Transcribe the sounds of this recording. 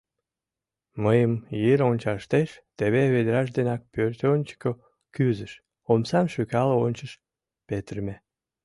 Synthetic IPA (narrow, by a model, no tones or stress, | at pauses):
məjəmjeɾonʲt͡ɕɑʃt̪eʃt̪eβeβed̪eɾɑʃ̬d̪enɑk̚pørt̪onʲt͡ɕə̥ko | kyzəʃ | omsɑmʃykɑləonʲt͡ɕəʃ | pet̪ərme